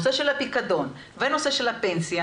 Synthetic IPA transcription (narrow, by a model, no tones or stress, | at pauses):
seʃelhapikad̪o̞n | venoseʃelhapensja